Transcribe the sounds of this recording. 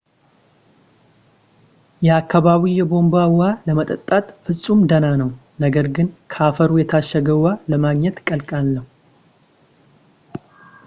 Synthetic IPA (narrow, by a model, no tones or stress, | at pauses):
jɛakːaβaβijɛbo̞mbawaləmət̪ʼət̪ʼːat̪ʼfɨsʼumd̪ənanəw | nəɡəɾɡɨnkʰəafəɾujɛt̪ʰaʃːəɡəwaləmaɡɲɛt̪kʼəlkʼalːəhu